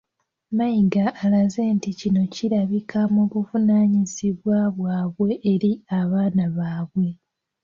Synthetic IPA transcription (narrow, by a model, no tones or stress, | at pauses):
maiɡaːlaze̞ːnticino̞ciɾaβikʰamuβuvunaːɲiziβwaβwaːβwe̞ʔːɾiaβaːnaβaːβwe̞